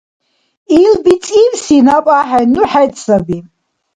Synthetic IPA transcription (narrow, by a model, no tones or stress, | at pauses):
ilbit͡sʼiwsinapʼaħanuħajtʼsabi